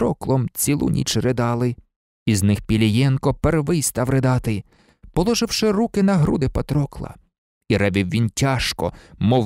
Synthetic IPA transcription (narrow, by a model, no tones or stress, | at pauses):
ɾɔklˠɔmt͡sʲilˠṵnʲḭt͡ʃɾed̪ɑlˠɪ | iznɪxpʲilʲijɛnkɔperʋɪjst̪ɑwɾɪd̪ɑt̪ɪ | pɔlˠɔʒɪwʃɪɾukɪnɐɦɾṵd̪ɪpɐt̪ɾɔklˠɐ̰ | iɾɛbʲɪwʋʲintʲaʃkɔ̰mɔ